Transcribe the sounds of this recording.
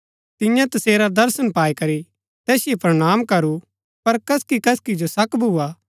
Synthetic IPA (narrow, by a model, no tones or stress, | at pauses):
t̪ɪ̃jãt̪ɐseːɾad̪ɐɾsənpaːikɐɾi | t̪ɛːsɪjepɾɐɽ̃aːmkɐɾu | pɐɾkɐskikɐskid͡ʒosɐkbʱuːaː